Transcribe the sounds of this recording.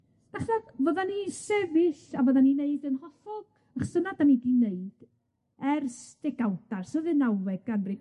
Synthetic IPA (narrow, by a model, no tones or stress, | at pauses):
d̥aχvɛðvɔðanisɛvɪɬavɔðanineɨðənhɔfɔɡ̥ | əχsənadanidineɨd̥ | ɛrsdɛɡawdarsəðɨnawɛɡɡanri